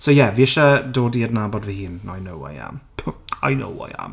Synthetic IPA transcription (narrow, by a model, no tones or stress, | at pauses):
sowjɛviɪʃadoːdiədnabɔdvɛhiːnajnowa̰ja̰mpʰa̰jno̰wa̰ja̰m